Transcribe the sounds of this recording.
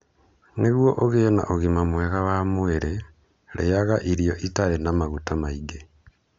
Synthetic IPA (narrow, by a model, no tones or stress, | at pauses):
neɣwoʔoɣeːna̰ʔoɣimamweɣaβamweɾe | lḛjaɣaʔiɾijoʔitaɾenamaɣutamaiɡe